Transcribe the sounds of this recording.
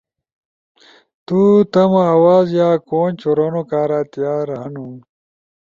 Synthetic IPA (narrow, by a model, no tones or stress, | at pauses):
t̪ut̪ɐmɐɐwaːzjaːkoːnt͡ɕoɾonokaːɾaːt̪jaːɾanu